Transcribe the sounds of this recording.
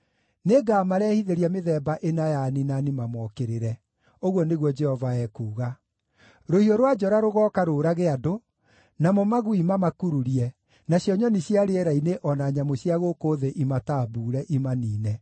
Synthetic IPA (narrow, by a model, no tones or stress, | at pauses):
neɡamaɾɛːhiðeɾiameðɛːbaʔenajaninanimamɔkeɾeɾɛ | oɣwɔneɣwɔd͡ʒɛhɔvaɛːkuːɣa | ɾohioɾwad͡ʒɔɾaɾoɣɔːkaɾoːɾaɣeado | namɔmaɣuimamakuɾuɾiɛ | naɕjɔɲɔniɕjaɾeɛɾaineʔɔnaɲamoɕjaɣokoːðeʔimataːbuːɾɛʔimaniːnɛ